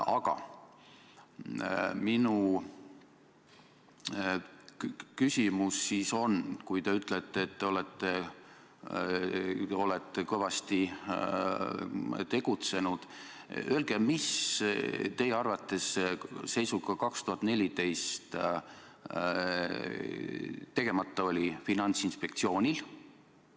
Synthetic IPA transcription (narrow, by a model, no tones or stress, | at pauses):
ɑɡ̥ɑ̰ | minu | kysʲimusːiːso̞nkujt̪eyt̪ːˑlet̪ːeːt̪ːeo̞let̪ːˑe | o̞let̪ːˑekɤvɑst̪i | t̪e̞ɡ̥ut̪se̞nud̪̥ | ølɡ̥emis | t̪e̞jeɑrvɑt̪ːe̞sːe̞jsuɡ̥ɑkɑkst̪uhɑt̪ːˑne̞lʲit̪e̞jst̪ | t̪e̞ɡ̥e̞mɑt̪ˑːɑo̞lʲifinɑnʲt̪sinspe̞kt̪sio̞ːnʲil